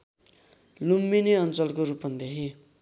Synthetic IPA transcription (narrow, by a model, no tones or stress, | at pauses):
lumːineʌnt͡sʌlkoɾupʌnd̪eɦi